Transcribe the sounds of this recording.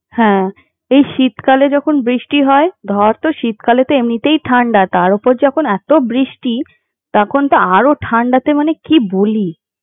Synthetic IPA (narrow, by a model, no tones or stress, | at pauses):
hɛ̃ | ejʃit̪kaled͡ʑɔkʰonbɾiʃʈiɦɔed̪ʱɔɾt̪oʃit̪kalet̪oemnit̪ejʈʰaɳɖat̪aɾopoɾd͡ʑɔkʰonɛt̪obɾiʃʈi | t̪ɔkʰont̪aaɾoʈʰaɳɖat̪emanekiboli